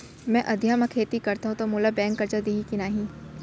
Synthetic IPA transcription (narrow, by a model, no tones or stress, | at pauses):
mɛ̃ʔɐd̪ʱjaːmãkʰeːt̪ikɐɾt̪aɦũt̪omuːlabɛ̃ːŋkːɐɾd͡ʒad̪iːɦikinaːɦĩː